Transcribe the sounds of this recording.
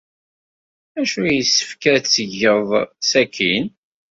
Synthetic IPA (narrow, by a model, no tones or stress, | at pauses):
æʃujisːə̥fkæɾt͡sːəʝəðˤsækʰin